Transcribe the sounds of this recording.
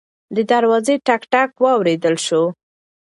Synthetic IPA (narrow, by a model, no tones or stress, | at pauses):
d̪əd̪aɾwɑzeʈakʈakwɑwɾed̪əlʃo